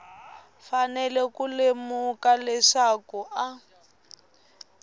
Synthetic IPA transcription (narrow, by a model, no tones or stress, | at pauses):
fanɛlɛkulemukalɛʂakuʔa